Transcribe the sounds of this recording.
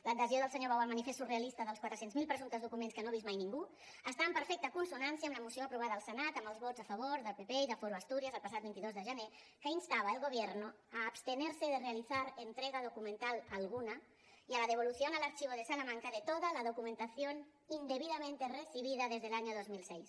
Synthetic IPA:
ləd̪əzioðəlˠsəɲoβawalˠmanifest̪urealist̪əðəlˠskwat̪ɾəsenzmilˠpɾəzunt̪əzðukumẽnskənoβizmajniŋɡu | əst̪aəmpəɾfɛk̚t̪əkunsunansjəːmləmusioapɾuβ̞aðəəlˠsənat̪əməlˠzβod͡zafəβ̞oɾðəlpepeiðəfoɾuast̪uɾiəzəlˠpasat̪bint̪iðozðəʒəne | kəinst̪aβaelˠɣuβ̞jɛɾnu | aːpst̪ənɛɾsəðərealiθaɾənt̪ɾɛɣaðukumə̃nt̪alˠəlɣunə | iələðeβ̞oluθjonələɾt͡ʃiβoðesalamaŋkəðət̪ot̪ələðukumə̃nt̪asjon | ind̪eβiðamẽnt̪erəsiβ̞iðəðezðəlaɲoðozmilsɛjs

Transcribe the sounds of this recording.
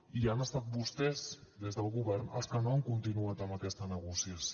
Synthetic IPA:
ianəst̪at̪̚bust̪ɛzd̪ezðəlˠɣuβɛɾnə̰lˠskənoəŋkunt̪inuat̪əməkɛst̪ənəɣ̞usiəs

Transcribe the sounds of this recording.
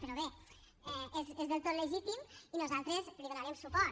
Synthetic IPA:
peɾɔβe | ɛezezðelˠt̪ot̪ləʒit̪iminozalˠt̪ɾezpɾiɣonaɾɛmsupɔɾ

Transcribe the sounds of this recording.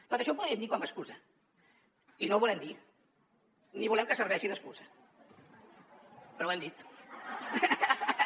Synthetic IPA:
t̪ot̪əʃɔp̬uðɾiəmd̪ikwambəskuzə | inoβulɛmd̪i | niβulɛmkəsərβɛʃiðəskuzə | pəɾɔwɛmd̪it̪

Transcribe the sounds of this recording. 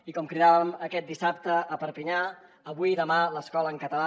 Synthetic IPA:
ikɔmkɾiðaβəməkɛt̪̚d̪isap̚t̪əːpəɾpiɲa | əβuiðəmaləskɔləːŋkət̪əla

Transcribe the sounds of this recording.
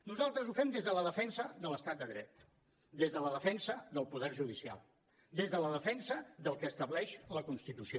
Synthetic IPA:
nuzalˠt̪ɾəzufɛmd̪ezðələðəfɛnsəðələst̪at̪̚d̪əðɾɛt̪ | d̪ezðələðəfɛnsəðəlˠpuðɛrʒuð̞isia̰lˠ | d̪ezðələðəfɛnsəðəlˠkəːst̪əβlɛʃləkunst̪it̪usio

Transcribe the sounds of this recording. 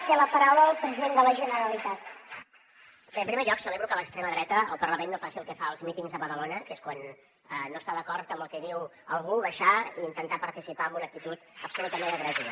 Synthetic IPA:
t̪eləpəɾawləlˠpɾəziðend̪ələʒənəɾəlit̪at̪ | əmpɾimeɾʎɔksəleβɾukələkst̪ɾeməðɾɛt̪əːlˠpərləmenːofasiəlˠkɛfaəlˠzmit̪iŋzðəβəðəlonəkeskwan | əːost̪aðəkɔɾt̪əmbəlˠkɛðiwəlˠɣuβəʃaiːnt̪ənt̪apəɾt̪isipaəmbunək̚t̪it̪ut̪əpsulut̪əmenəɣɾɛzi

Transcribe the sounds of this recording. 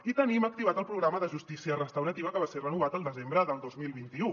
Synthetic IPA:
it̪ənimək̚t̪iβ̞at̪əlˠpɾuɣɾaməðəʒust̪isiərəst̪əwɾət̪iβəkəβaserənuβ̞at̪əlˠd̪əzembɾəðəlˠd̪ozmilˠβint̪iu

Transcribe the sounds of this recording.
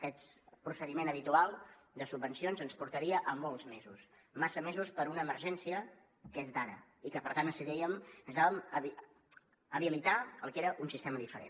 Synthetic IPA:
əkɛt̪pɾusəðimenəβit̪ualˠd̪əsub̚ːənsionzənspuɾt̪əɾiəʔəmolˠzmezus | masəmezuspəɾunəːməɾʒɛnsiə | kezd̪aɾə̰ikəpəɾt̪ansəðɛjəməzðaβəməβ | əβilit̪aəlˠkeɾəʔunsist̪eməðifəɾḛ

